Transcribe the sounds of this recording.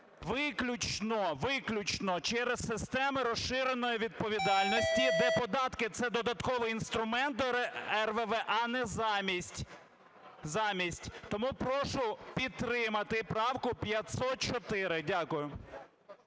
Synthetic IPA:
ʋɪklʲʊt͡ʃnɔʋɪklʲʊt͡ʃnɔt͡ʃɛɾezsɪst̪ɛmɪɾɔsʃɪɾenɔjiʋʲid̪̚pɔʋʲid̪ɑlʲnɔsʲtʲid̪ɛpɔd̪ɑt̪kɪt̪sɛd̪ɔd̪ɐt̪kɔʋɔinst̪ɾʊmɛnt̪ɔɛrʋɛʋɛʔɑnɛzmʲisʲtʲ | zɑmʲisʲtʲt̪ɔmupɾɔʃʊpʲid̪̚t̪ːɾɪmɐt̪ɪpɾɑwkʊpʲjɐt̪ʲsɔt̪̚t͡ʃɔt̪ɪɾɪdʲakʊjʊ

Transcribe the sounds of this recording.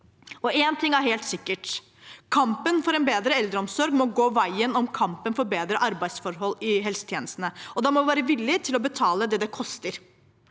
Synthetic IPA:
ɔʔeːnt̪ʰɪŋːæɾheːlt̪sɪkːəʈ | kʰɑmpənfɔɾɛnbeːd̪ɾəɛld̪ɾəɔmsɔɾɡmɔɡoːʋæɪənɔmkʰɑmpənfɔɾbeːd̪ɾəʔɑɾbæɪsfɔɾɦɔlɪɦɛlsə̥t̪ʰjeːnəst̪nəɔd̪ɑmɔʋæːɾəʋɪlːɪt̪ʰɪlɔbət̪ʰɑːləd̪ɛd̪ɛkʰɔst̪əɾ

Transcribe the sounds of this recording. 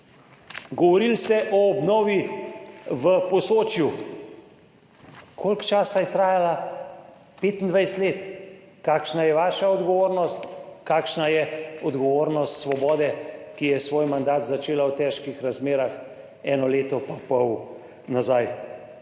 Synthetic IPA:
ɡɔʋɔɾilst̪ɛʔɔːbnɔːʋi | ʋəpɔsoːt͡ʃju | kʰolkt͡ʃaːsajɛt̪ɾaːjala | peːt̪nd̪ʋajst̪leːt̪ | kaːkʃnajɛʋaːʃaɔd̪ɡɔʋoːɾnɔst̪kaːkʃnajɛɔd̪ɡɔʋoːɾnɔst̪sʋɔbɔːd̪ɛkijɛsʋoːjmand̪aːt̪zat͡ʃeːlawt̪ɛːʃkixɾazmeːɾax | ɛːnɔleːt̪ɔpapɔw | nazaj

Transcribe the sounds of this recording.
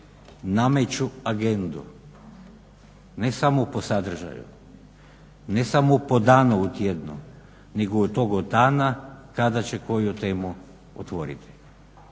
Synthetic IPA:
namet͡ɕuaɡe̞nd̪ṵ | nesamopo̞sad̪r̩ʒa̰jṵ | nesamopo̞d̪aːnuut̪jed̪nṵ | niɡot̪o̞ɡod̪aːnakad̪at͡ɕe̞ko̞jut̪e̞ːmu | o̰t̪ʋoɾḭt̪ʰi̥

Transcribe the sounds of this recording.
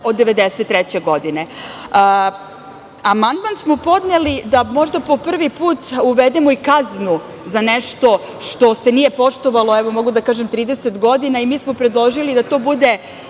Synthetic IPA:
o̞d̪ːeʋed̪eset̪ːɾɛt͡ɕe̞ɡo̞d̪ine̞ | amand̪mansmopo̞d̪nelid̪amo̞ʒd̪apo̞pr̩ʋipuːt̪uʋed̪emoikaznu | zaneʃt̪o̞ | ʃt̪o̞se̞nije̞po̞ʃt̪o̞ʋalˠoɛʋo̞mo̞ɡud̪akaːʒemt̪ɾiːd̪ese̞t̪ɡo̞d̪inaimiːsmopɾed̪lˠo̞ʒilid̪at̪o̞bud̪e̞

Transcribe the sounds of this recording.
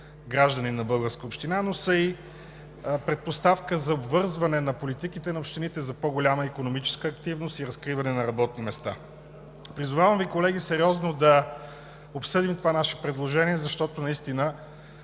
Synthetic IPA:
ɡɾaʒd̪əninɐbɤlˠɡəɾskəopʃt̪inanosəi | pɾɛt̪̚post̪afkəzɐobvɤɾzvɐnɛnɐpolit̪ikit̪ɛnɐopʃt̪init̪ɛzɐpoɡolʲaməikonomit͡ʃɛ̥skəːkt̪ivnost̪iɾɐskɾivɐnɛnɐɾɐbɔt̪̚nimɛst̪a̰ | pɾizʊvavəmvikolɛɡ̟isɛɾʲiɔznod̪ɐ | opsɤd̪imt̪ovanaʃɛ̥pɾɛd̪lˠoʒɛniɛzɐʃt̪ɔt̪onɐist̪inə

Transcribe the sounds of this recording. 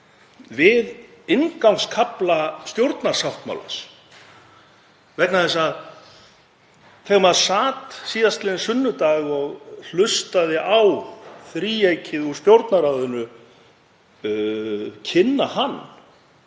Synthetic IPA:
vɪð | ɪnkawŋskʰaplast̪jowɾt̪naɾ̥sawht̪ma̰wla̰s | vɛk̪naθɛs̬ːað | θʰɛːɣmaðsaːt̪siːðast̪lɪðɪnsʏnːʏt̪aːɣɔɣl̥ʏst̪aðɪʔawθɾiːejcʰɪðust̪jowɾt̪naɾaðʏnʏ | cʰɪnːahanː

